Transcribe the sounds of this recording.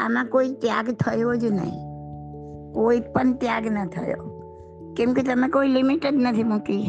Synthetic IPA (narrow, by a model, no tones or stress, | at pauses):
ə̰mãkoːit̪jaːɡt̪ʰəjod͡ʒnə̰ɦḭ̃ | koːipənt̪jaːɡnət̪ʰəjo̰ | kɪ̃m̃kit̪əmẽkoːilɪmɪʈeɖnət̪ʰimʊ̃ki